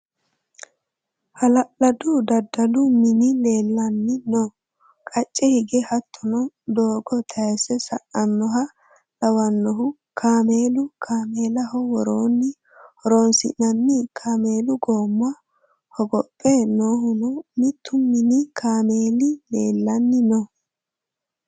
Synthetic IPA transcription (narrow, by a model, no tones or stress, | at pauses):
hɐlɐʔlɐd̪ʊd̪ɐd̪ːɐlʊmɪnɪle̞ːlːɐnːɪnoː | kʼɐt͡ʃʼːɛhɪɡɛhɐt̪ʰːɔnɔ | d̪oːɡɔt̪ʰɐɛsɛsɐʔɐnːɔɦɐ | lɐwɐnːɔɦʊ | kʰaːmeːlʊkʰaːme̞ːlɐhɔwɔɾoːnːɪ | hɔɾoːnsɪ̰ʔnɐnːɪkʰaːmeːlʊɡoːmːʊɐ | hɔɡɔpʼːenoːhʊnɔmɪt̪ʰːʊmɪnɪkʰaːmeːlɪlḛːlːɐnːɪnɔ